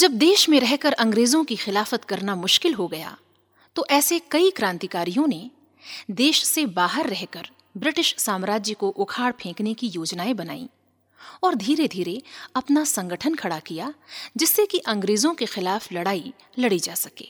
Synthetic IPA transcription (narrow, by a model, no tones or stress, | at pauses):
d͡ʒɐb̚d̪eːʃmẽɾɛɦkɐɾɐ̃ŋɡɾeːzõkixɪlaːfət̪kɐɾnamʊʃkɪlɦoɡɐja̰ː | t̪oʔɛːsekɐikɾãːnt̪ikaːɾijõne | d̪eːʃsebaːɦəɾːɛɦkəɾ | bɾɪʈɪʃsaːmɾaːd͡ʒjəkoʔʊkʰaːɽpʰẽːknekijoːd͡ʒnaːebɐna̰ːḭ | ɔːɾd̪ʱiːɾed̪ʱiːɾeɐpnasɐ̃ŋɡəʈʰənkʰɐɽakijaːd͡ʒɪsːekiʔɐ̃ŋɡɾeːzõkexɪlaːflɐɽaːi | lɐɽid͡ʒaːsɐkḛː